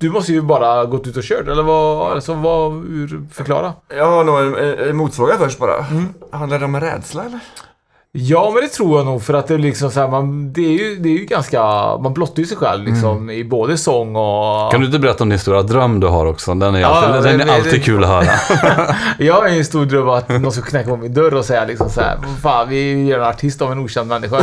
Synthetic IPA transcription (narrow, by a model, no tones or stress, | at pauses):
d̪̥ɵmɔst̪əjɵbɑːɾaɡoːt̪ːʉːt̪ɔɕøːʈɛlːəɾvalsɔvahʉɾfœɾkʰlɑ̰ːɾajɑːɡhanuːɛnɛmuːt̪svɑːɡafœʂʈ̚bɑːɾa̰ːhand̪aɖɛɔmɛnɾɛ̰ːd̪slaɛlːəɾ | jɑːmɛnd̪ɛt̪ʰɾuːɾjaːɡnuːɡfœɾat̪̚d̪ɛlɪksɔmsɔhæːmand̪ɛːɾjɵd̪ɛːɾjɵɡanskamanblɔt̪ːaɾjʉsɛjɧɛ̰lvlɪ̰ksɔmɪboːd̪əsɔŋːɔand̪ɵɪnt̪əbɛɾɛt̪ːaɔmd̪ɪnst̪uːɾad̪ɾœmːd̪ɵɦa̰ɾɔksɔd̪ɛnɛɾɑɛnɛalt̪iːd̪̚kʰʉ̟ːlɔɦœːɾa̰ | jɑːhaɾɛnst̪uːɾɖɾœmːat̪nɔnskakʰnɛkːaɔmːɪnd̪œɾɔsɛjːalɪksɔmsahæ̰ɾafaːnvɪjœːɾɛnaʈʰɪst̪ɔmɛnuːɕɛnd̪mɛnːɪɧa